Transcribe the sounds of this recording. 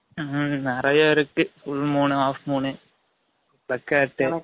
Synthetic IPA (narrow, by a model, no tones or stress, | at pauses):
nɪɾɐjaːɪɾɯkːɯfʊɭmuːnɯaːfmuːɳɯ | bɐkːaːʈːɯ